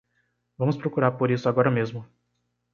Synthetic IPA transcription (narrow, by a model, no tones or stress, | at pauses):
vɐ̃mʊspɾokuɾaɾpoɾisʊaɡɔɾɐmezmʊ